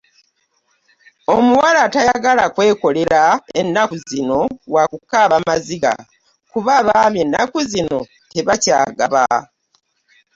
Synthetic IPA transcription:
o̞muwalatajaɡalakwe̞ːko̞le̞ɾaenːakuzino̞wakukːaβamaziɡa̰ | kuβaβaβje̞nːakuzino̞ | te̞βaca̰ːɡaβa

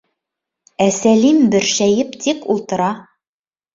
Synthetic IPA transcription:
æsælimbɘ̆ɾʃæjɘpt̪ʰikulˠt̪ɤ̆ɾɑ

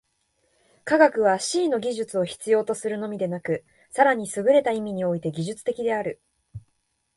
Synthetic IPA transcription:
kaɡakɯ̟β̞aɕiːno̞ɡʲiʑɨt͡sɨo̞çi̥t͡sɨjo̞ːt̪o̞sɨɾɯ̟no̞mʲid̪e̞nakɯ̟ | saɾaɲ̟isɨɡɯ̟ɾe̞t̪aimʲiɲ̟io̞it̪e̞ɡʲiʑɨt͡sɨ̥t̪e̞kʲid̪e̞aɾɯ̟

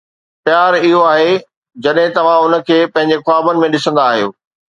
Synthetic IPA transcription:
pjaːɾɪɦoaːɦe | d͡ʑɐɗɦɪ̃t̪ɐʋ̤ãʊnə̆kʰeːpɐ̃ɦɪ̃ɲd͡ʑexʊaːbənɪ̆mẽɗɪsə̃nd̪aːɦijo̰ː

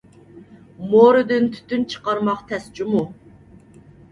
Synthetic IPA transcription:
moɾɨd̪ɨnt̪ʰy̥t̪ːynt͡ʃʰə̥qɑɾmɑqt̪ʰɛst͡ʃimu

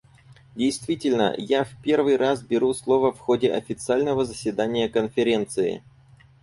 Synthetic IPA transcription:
dʲejst̪vʲitʲɪlʲnə̰jafpʲe̞rvɨjrasbʲɪɾuslˠo̞vəfxodʲɪʔɐ̰fʲɪt̪sɨalʲnəvəzəsʲvʲɪd̪anʲɪjəkənfʲɪɾʲent̪sɨɪ̰

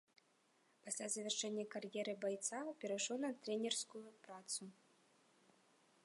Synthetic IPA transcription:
pasʲlʲazɐvʲɛrʂɛnʲːɐkarjɛɾɨbajt̪sapʲɛɾaʂɔwnɐt̪ɾʲɛnʲɛrskujupɾat̪su

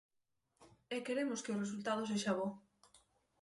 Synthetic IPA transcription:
ekeɾemʊskeores̬ult̪að̞os̬eʃaβ̞o

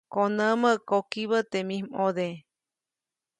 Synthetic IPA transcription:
konə̃məʔkokiβət̪emĩmoðe

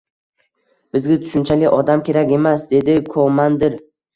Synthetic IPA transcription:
b̥ɪzɡʲat̪ʰʊ̥ʃʊnt͡ʃʰalɪʔɒd̪amkʲʰe̞ɾakʲe̞masd̪e̞d̪ɪkʰomand̪ɪɾ

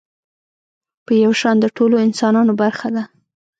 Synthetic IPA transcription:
pəjawʃɑnd̪əʈoloɪnsɑnɑnobaɾxad̪a

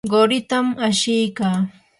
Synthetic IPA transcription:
ɢoɾɪt̪amaʃɪjkaː

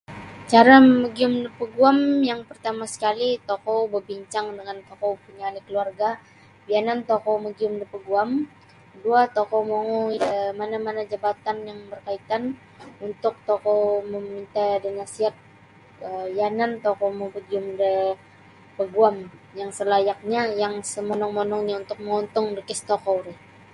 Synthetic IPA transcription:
t͡ʃaɾaməɡiʊmdəpəɡuamjaŋpərt̪amasə̥kalit̪okɔbəbiɲt͡ʃaŋdəŋant̪okopuɲaːlikəluarɡa | bianant̪okoməɡiʊmdəpəɡuam | duat̪okɔmoŋɔmanamanad͡ʒabat̪anjaŋbərkait̪an | unt̪ʊk̚t̪okɔwməmint̪adənasiat̪̚ | əjanant̪okɔwməpəɡiʊmdə | pəɡuamjaŋsəlajak̚ɲajaŋsəmɔnɔŋmɔnɔŋɲaunt̪ʊk̚məŋɔnt̪ʊŋdəkɪst̪okɔwɾɪ

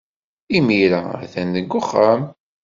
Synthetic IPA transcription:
imiɾææ̰θændəɡːʊχːam

